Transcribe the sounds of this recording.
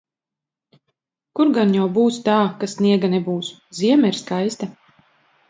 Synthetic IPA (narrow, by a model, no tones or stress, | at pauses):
kuɾɡanjawbuːst̪aːkasːniɛɡanɛbuːsziɛmaiɾskajst̪a